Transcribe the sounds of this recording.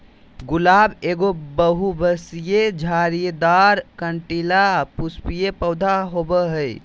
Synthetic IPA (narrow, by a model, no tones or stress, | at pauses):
ɡulabeɡobəɦubəsijed͡ʒʱaɾijed̪aɾkəɳʈilapuspijepəwd̪ʱaɦobəɦəj